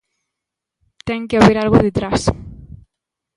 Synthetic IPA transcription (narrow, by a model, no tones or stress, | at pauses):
t̪ɛŋkeaβeɾalɣʊðet̪ɾas